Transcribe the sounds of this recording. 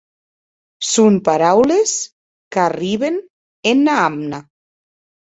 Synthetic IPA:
sumpaɾawles | kariβen | enːaamna

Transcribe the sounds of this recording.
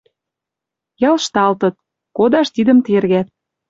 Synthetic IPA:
jɑlʃt̪ɑlt̪ə̆t̪̚ | kod̪ɑʃt̪id̪ə̆mt̪erɣæt̪̚

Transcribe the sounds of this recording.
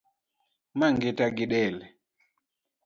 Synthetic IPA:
maŋɡɛtaɡiɗɛlɛ

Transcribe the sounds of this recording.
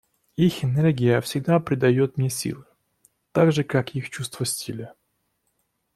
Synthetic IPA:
ixɪnɛrɡʲɪjəfsʲɪɡd̪apɾʲɪd̪ɐjot̪̚mnʲesʲḭlˠɨ | t̪aɡʐɨkakixt͡ɕust̪v̥əsʲtʲilʲə

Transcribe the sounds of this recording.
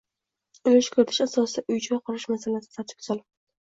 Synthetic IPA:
ʊlɪʃkʲʰɵɾɪt̪ʰɪʃasɒsɨd̪aʔʊjt͡ʃʰɪwaqʰʊɾɪʃmasalasɪ̥sat̪ʰɪ̥p̚zɒlˠ

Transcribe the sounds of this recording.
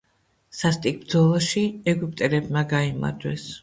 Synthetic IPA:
sast̪ʼik̚ʰb̚d̪zɔlˠɔʃiɛɡyp̚ʼt̪ʼɛɾɛbmaɡaima̰ɾd̪wɛ̰s

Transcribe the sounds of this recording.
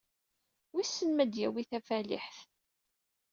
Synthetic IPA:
wisːənmæd̪jæwiθæfælḭħθ

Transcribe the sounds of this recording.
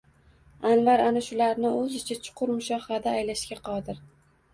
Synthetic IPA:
anvaɾanaʃʊlaɾnɪɵzɪt͡ʃʰat͡ʃʰʊ̥qʰʊɾmʊʃɒhad̪aːjlaʃkʲaqʰɒd̪ɪɾ

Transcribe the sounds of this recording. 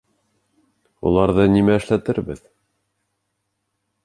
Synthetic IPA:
ṵlˠɑɾðɤnimæɘ̆ʃlæt̪ɘɾbɘð

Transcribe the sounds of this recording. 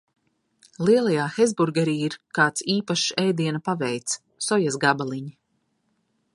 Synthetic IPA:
lˠiɛlˠajaːxɛzbuɾɡɛɾiːiɾkaːt̪siːpaʃɛjd̪iɛnapavɛjt̪s | sɔjasɡabalˠiɲi

